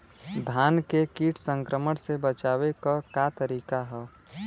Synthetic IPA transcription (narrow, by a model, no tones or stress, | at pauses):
d̪ʱaːnkekiːʈʰsə̃ŋkɾəməɽsebət͡ʃaːwekakat̪əɾiːkaɦɛː